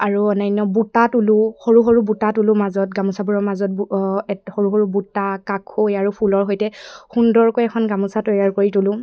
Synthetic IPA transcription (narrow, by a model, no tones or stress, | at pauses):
aɹuɔnajnɔbutatuluhoɹuɦoɹubutatulʊmazɔt̚ɡamusabuɹɔɹmazɔt̚bɛhoɹuɦoɹubutːakakʰhojaɹupʰulɔɹɦojtɛxundɔɹkojɛkʰɔnɡamusatɔjaɹkoɹitulʊ̃